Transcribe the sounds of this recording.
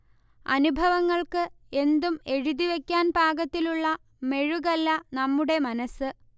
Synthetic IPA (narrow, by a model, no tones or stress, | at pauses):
ɐ̰nubʱɐʋɐŋːɐɭkɨ | e̞nd̪ume̞ɻuðiʋe̞kʲːaːnbʱaːɡɐt̪ːiluɭːɐ | me̞ɻuɣɐlːɐnɐmːuɽe̞mɐnɐsːɨ